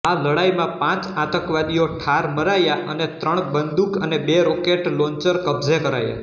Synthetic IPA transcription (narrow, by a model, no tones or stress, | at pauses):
aləɽaimãpãt͡ʃat̪əkʋad̪ijoʈʰaɾməɾajaʔənet̪ɾəɳ̃bənd̪ukənebeɾokeʈloɲt͡ʃəɾkəbzekəɾaja̰